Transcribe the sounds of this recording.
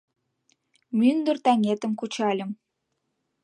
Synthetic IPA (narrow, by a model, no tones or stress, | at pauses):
mynd̪ərt̪ɑŋet̪ə̆mkut͡ɕɑlʲə̆m